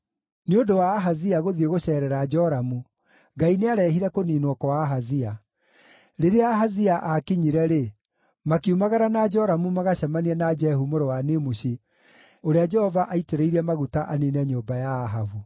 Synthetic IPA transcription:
neondowaːɦaziaɣoðieɣoɕɛːɾɛɾaːd͡ʒɔɾamu | ɡaineaɾɛɦiɾɛkoniːnwɔkɔwaɦazia | ɾeɾeaɦaziaʔakiɲiɾɛɾe | makiumaɣaɾanad͡ʒɔɾamumaɣaɕamaniɛnad͡ʒɛhumoɾowanemoɕi | oɾead͡ʒɛhɔvaʔaiteɾeiɾɛmaɣutaʔanenɛɲoːmbajaːɦavu

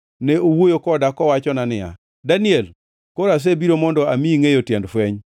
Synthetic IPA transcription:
nɛowojokɔdakɔwat͡ʃɔnanɪja̰ | daniɛl | koɾas̬ebiɾomɔndɔamiiŋejotjɛndfwɛɲ

